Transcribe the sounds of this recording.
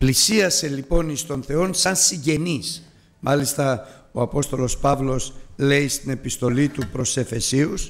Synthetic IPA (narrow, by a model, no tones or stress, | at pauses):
plisiɐse̞lipo̞nist̪o̞nθe̞o̞nsɐnsiɲɟe̞nis | mɐlist̪ɐ | o̞ɐpo̞st̪o̞lo̞spɐvlo̞sle̞ist̪ine̞pist̪o̞lit̪upɾo̞se̞fe̞sius